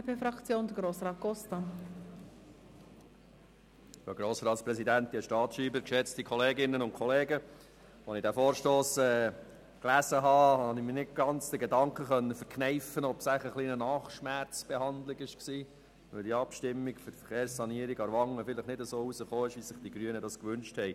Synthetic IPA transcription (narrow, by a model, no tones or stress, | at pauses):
pʰeːfɾɑkt͡sjoːnd̥̪əɡɾoːsɾɑːt̪̚ɡ̥ɔst̪ɑ | jəɡɾoːsɾɑːt̪spɾɛsidænt̪ːiəʃtɑːtʃiːbəɾkʃɛt͡stikʰɔleːɡɪnːənʊnkʰɔleːɡə | ʋɔnɪdæfoːɾʃtoːsɛː | klæzəɦɑːhɑnɪmɪnɪt̚ɡ̥ɑnt͡sd̥əɡedɑŋkχəχœnːəfʏɾkʰnɛɪfənɔbsæɪχəχliːnənɑːχʃmæɾt͡sb̥ɛhɑnd̪lɪɡɪʃksiː | ʋøldiːɑpʃtɪmːiɡføtfəχeːɾssɑniəɾiɡɑɾʋɑŋːəfɪləχnɪdəzoːusəχoːɪʃʋiz̥ɪχd̥iɡɾyənədɑskʋʏnʃthɛɪ